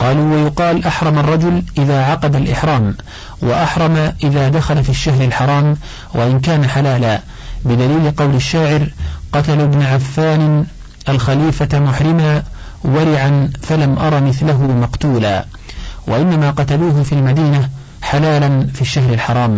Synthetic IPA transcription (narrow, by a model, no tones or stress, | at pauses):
qɑːluːwajʊqɑːlʔaħɾˤɑmarˤːɑd͡ʒʊlʔɪðaːʕɑqɑd̪alʔɪħɾˤɑːm | wa̰ʔaħɾˤɑmaʔɪðaːd̪axalafiːʃːaɦɾalħɑɾˤɑːm | waʔɪnk̬aːnaħalaːlaː | bɪd̪aliːlɪqɑwlaʃːaːʕɪɾqɑt̪alabnaʕafːaːnɪ | ʔalxaliːfamʊħɾɪmaː | waɾɪʕanfalamʔɑɾˤɑmɪθlaɦʊmɑqt̪uːla̰ː | waʔɪnːamaːqɑt̪aluːɦʊfiːlmad̪iːna | ħalaːlanfiːʃːaɦɾalħɑɾˤɑːm